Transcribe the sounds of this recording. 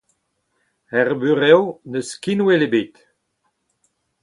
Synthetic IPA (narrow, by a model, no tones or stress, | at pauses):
ɛʁbyʁɛwnəskinwelebet̪